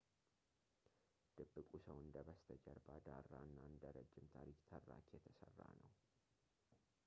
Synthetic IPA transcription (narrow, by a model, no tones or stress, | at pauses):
d̪̥ɨbːɨkʼusəwɨnd̪əbəst̪ʰəd͡ʒəɾbad̪arːaɨnːaɨnd̪əɾəd͡ʒːɪmt̪ʰaɾikʼt̪ʰərːakjɛt̪ʰəsərːa̰nəw